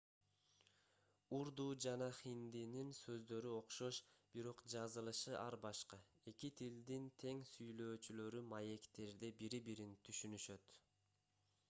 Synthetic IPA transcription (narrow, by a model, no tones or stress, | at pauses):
uɾd̪uːd͡ʒɑnɑχind̪ininsø̞zd̪ø̞ɾyo̞qʃo̞ʃb̥iɾo̞qd͡ʒɑzɯlˠɯʃɯʔɑɾbɑʃqɑ | e̞kit̪ʰild̪int̪ʰe̞ŋsyjlø̞ːt͡ʃylø̞ɾymɑje̞kt̪e̞ɾd̪ebiɾibiɾint̪ʰyʃynyʃø̞t̪